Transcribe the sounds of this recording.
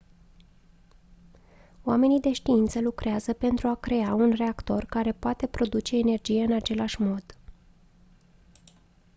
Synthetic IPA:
oame̞nid̪e̞ʃt̪iint̪səlukɾeazəpe̞nt̪ɾuakɾe̞aunre̞akt̪o̞rkaɾe̞poat̪e̞pɾo̞d̪ut͡ʃe̞ːne̞rd͡ʒije̞ɨnat͡ʃe̞laʃmo̞d̪̥

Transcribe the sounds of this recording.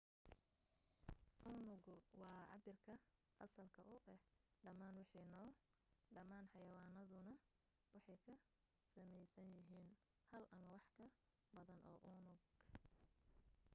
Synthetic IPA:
ʔʊnʊɡʊwɑːɑ̰bɪrkʰɐ | ʔɐsɐlkʰɐʔʊʔɛhɖɐmaːnwɑħiːnɔː | ɖɐmaːnħɑjɐwɑːnɐðʊnɐ | wɑħɑjkʰɐ | sɐmɛjsɐnjɪɦiːn | hɐlʔɐmɐwɑħkʰɐ | bɐðɐnʔɔ̰ːʔʊnʊɡ

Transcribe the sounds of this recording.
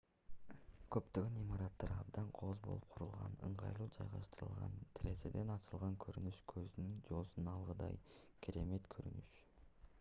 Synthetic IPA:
kʰøpt̪øɡønimɑɾɑt̪ːɑɾɑbd̪ɑɴqʰo̞zbo̞̰lˠup̚qʰuɾulˠʁɑ̰nɯ̰ɴʁɑ̰jlˠuːd͡ʒɑ̰jʁɑ̰ʃt̪ɯɾɯ̰lˠʁɑ̰nt̪ʰiɾe̞se̞̰d̪e̞nɑt͡ʃɯlˠʁɑŋkʰɵɾynyʃkʰøzynynd͡ʒo̞lˠsunɑlˠʁɯd̪ɑ̰j | kʲʰiɾe̞me̞t̪kʰøɾynyʃ

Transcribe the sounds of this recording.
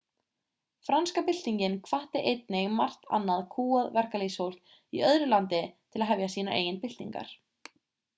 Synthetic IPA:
fɾanskapɪl̥t̪iɲcɪnkʰvaht̪ɪʔejt̪̚nɪɣma̰r̥t̪ʰa̰nːaðkʰuːaðvɛr̥kalishowl̥t̪ | iœðɾʏlant̪ɪt̪ʰɪlaðɦɛvjasiːnaʔḛːjɪnpɪl̥t̪ḭŋka̰ɾ̥

